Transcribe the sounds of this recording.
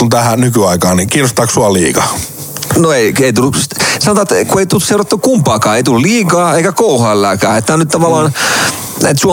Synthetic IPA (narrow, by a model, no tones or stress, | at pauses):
kunt̪æhænykyɑikɑːnikiːnost̪ɑːksuɑlḭːkɑ | noeieit̪ulːussɑnot̪ɑt̪kueit̪useurɑt̪ːukkumpɑːkɑːeit̪ululiːkɑːeikækouhɑːelːæːkæ̰ːet̪ːænyt̪t̪ɑʋɑlːˑɑːn | næ̰t̪suɑ